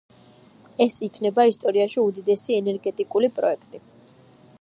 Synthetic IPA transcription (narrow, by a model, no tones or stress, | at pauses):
ɛsikʰnɛbaist̪ʼɔɾiaʃiud̪id̪ɛsiɛnɛɾɡɛt̪ʼikʼulipʼɾɔ̰ɛkʰt̪ʼi